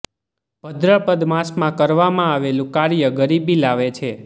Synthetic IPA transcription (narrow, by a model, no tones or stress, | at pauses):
bəd̪ɾəpəd̪mãsmãkəɾʋamãaʋelũkaɾjəɡəɾibilaʋet͡ʃʰe